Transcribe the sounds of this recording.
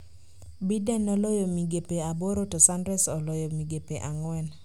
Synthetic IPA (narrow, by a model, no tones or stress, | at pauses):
bidɛnːɔlɔjomiɡepeaboɾotɔsandɾɛsɔlɔjɔmiɡepeʔaŋwɛn